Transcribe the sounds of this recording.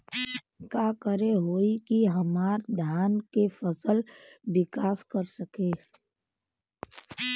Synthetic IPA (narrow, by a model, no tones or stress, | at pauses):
kaːkəɾeɦoːikiɦəmaːɾd̪ʱjaːnkefʰəsəlwɪkaːskəɾsəkeː